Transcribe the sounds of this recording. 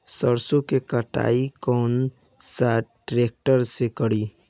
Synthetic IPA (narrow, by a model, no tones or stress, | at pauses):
səɾsõkekəʈa̰ːikɔːn | saːʈɾeːk̚ʈəɾsekəɽiː